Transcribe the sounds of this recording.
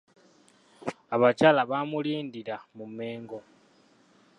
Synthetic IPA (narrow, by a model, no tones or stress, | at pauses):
aβat͡ʃalaβamuliːndiɾamume̞ːŋɡo̞